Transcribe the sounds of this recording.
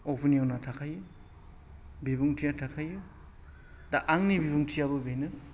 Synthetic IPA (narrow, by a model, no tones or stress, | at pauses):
opʰinijonatʰakʰajɯ | bibuŋtʰijatʰakʰajɯ | daʔaŋnibibuŋtʰijabɯbejnɯ